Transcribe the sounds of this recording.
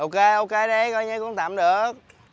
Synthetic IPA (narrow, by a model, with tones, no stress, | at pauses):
ʔo˧ke˧ʔo˧ke˧˦ɗə˨˦jkɔ˧˦jɲə˨˦kʊ̰˧˥ŋ͡mt̪a̰ː˧˨mɗɨ˨˩ək̚